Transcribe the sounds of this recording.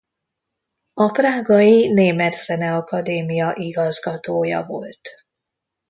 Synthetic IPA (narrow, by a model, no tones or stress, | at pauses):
ɒpraːɡɒjineːmɛt̪sɛnɛɒkɒd̪eːmijɒʔiɡɒzɡɒt̪oːjɒ̰vo̞lt̪